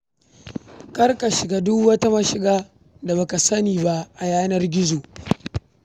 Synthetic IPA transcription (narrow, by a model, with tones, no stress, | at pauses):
kɐ˦rka˨ʃɪ˨ɡaː˦dʊ˦wɐ˦ta˦mɐ˦ʃɪ˦ɡaː˦ | da˨bɐ˦ka˨sɐ˦niː˨ba˦ʔa˨jaː˦nɐ˦rɡʲɪ˦zoː˨